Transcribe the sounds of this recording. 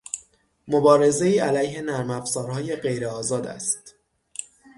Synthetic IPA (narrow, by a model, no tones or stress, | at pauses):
mobɒːɾe̞ze̞iːælæjhe̞næɾmæfzɒːɾhɒːje̞ɢe̞jɾeɒːzɒːd̪æ̰st̪